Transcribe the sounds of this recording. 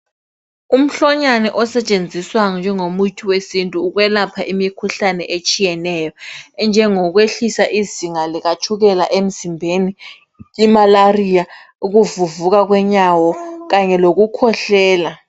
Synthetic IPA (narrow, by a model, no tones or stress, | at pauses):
um̩ɬɔɲanɛʔɔsɛt͡ʃʼend͡zʱiswaŋɔnd͡ʒʱɛŋomujitʰiwesintʼuːɣwɛlapʰaʔimikʰuɬanɛ̰ʔet͡ʃʼijɛnɛjɔɛnd͡ʒʱɛŋɔɣ̬weɬisaʔiziŋaliɣat͡ʃʰʼuɣɛlaʔem̩zimbʱeniː | malarija | uɣuvuvuɣaɣ̬wɛɲawɔɣaɲɛloɣukʰɔɬɛːla